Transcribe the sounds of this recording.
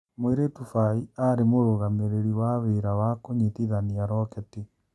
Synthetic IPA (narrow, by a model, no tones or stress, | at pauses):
mweɾetufaiaɾemoɾoɣameɾeɾiwaβeɾawakoɲitiðaniaɾɔkɛte